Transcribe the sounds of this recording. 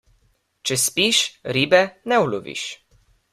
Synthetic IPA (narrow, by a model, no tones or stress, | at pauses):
t͡ʃɛspiʃɾibɛnɛwluvḭʃ